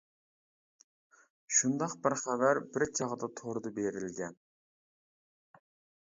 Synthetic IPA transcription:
ʃund̪ɑqbɪɾχævæɾbɪɾt͡ʃʰɑʁd̪ɑt̪ʰoɾd̪ɨbeɾɪlɡʲɛn

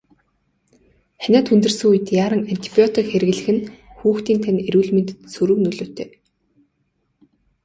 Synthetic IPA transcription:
xænʲæːt̪xɵnt̪ɵ̆rsɘ̆ŋuj̆t̪jaːɾə̆ŋan̥ʲt̪ʰi̥pʲjɔt̪ikxeɾɘ̆ɣ̆ɮɘ̆xɘ̆nxuːxt̪iːnt̪ʰænʲeɾuːɮment̪sɵɾɵ̆knɵɮoːt̪ʰeː

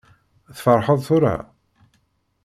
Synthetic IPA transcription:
θfəɾˤħəðˤθʊɾa̰

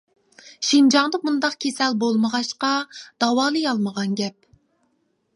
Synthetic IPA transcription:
ʃind͡ʒɑŋd̪əmund̪ɑqkʲʰesɛlbolˠməʁɑʃqɑd̪̥ɑwɑːlˠɨjɑlˠməʁɑnɡʲɛp̚

